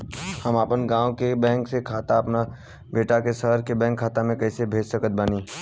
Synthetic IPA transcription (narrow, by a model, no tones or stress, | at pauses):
həmaːpənɡãːõkebɛ̃ːŋksekʰaːt̪aɐpna | beːʈakesəɦəɾkebɛ̃ːŋkʰːaːt̪amẽkɐːsebʱeːd͡ʒsəkət̪̚baːniː